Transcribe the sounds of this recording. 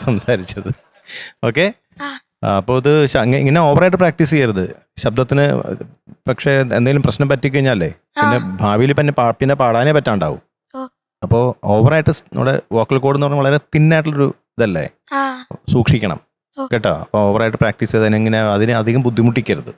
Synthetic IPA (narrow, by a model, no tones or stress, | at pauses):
sɐmsaːɾit͡ɕːɐðɨ | o̞ːkːe̞ | ɐpːoːɐðɨɕɐŋːɐḭŋːɐne̞o̞ːʋɐrɐjʈ̬ːɨpraːk̚ʈiːsɨkɐjɐɾɐðɨ | ɕɐb̚d̪ʱɐt̪ːinɨ̰ | pɐkʂe̞end̪eŋɡilumprɐɕnɐmpɐtːikʲːuɐɻiɲːaːlːḛ | inːe̞bʱaːʋijilpinːe̞paːpinːepaːɽaːneːpɐtːaːɳɖaːʋṵm | ɐpːo̞ːoːʋɐrɐjiʈːɨsnɐ̰mːuɽḛoːkːɐlkoːɽenːuɐrɐɲːuʋɐɭɐɾe̞t̪inːaːjʈːɐlo̞ɾṵiðɐlːḛ | suːkʂikʲːɐɳɐ̰m | keʈːo̰ɐpːoːoːʋɐraːjʈ̬ːɨpraːk̚ʈiːsɐðɐneiŋːɐneɐðinɨɐd̪ʱiɣɐmpud̪ʱːimuʈːikʲːɐɾuðɨ̰